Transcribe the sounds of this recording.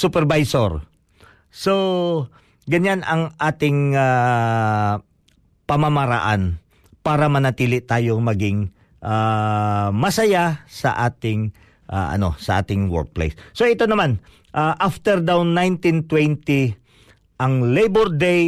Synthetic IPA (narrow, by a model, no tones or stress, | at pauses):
sʊpɛɾvajsoɹ | so | ɡɐɲanɐŋʔaːt̪ɪŋa | pɐmamɐɾɐ̰ʔan | paːɾɐmɐnɐt̪iːlɪʔt̪aːjo̞ŋmɐɡɪŋ | ʔa | mɐsɐjasɐ̰ʔaːt̪ɪŋ | ʔaʔɐ̰no̞̰sɐʔa̰ːt̪ɪŋwɛ̰ɹk̚plḛjsːoʔɪt̪o̞nɐman | ʔaʔaft̪ɛɾd̪awnːajnt̪ɪnt̪wɛnt̪i | ʔɐŋlejboɾd̪ej